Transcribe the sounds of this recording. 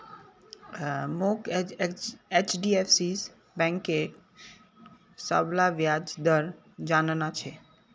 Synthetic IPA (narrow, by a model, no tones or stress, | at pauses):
mok | et͡ʃɖiepʰsis | bɛ̃ŋkːek | sə̰blaʋjad͡ʒd̪əɾ | d͡ʒannat͡ʃʰɛ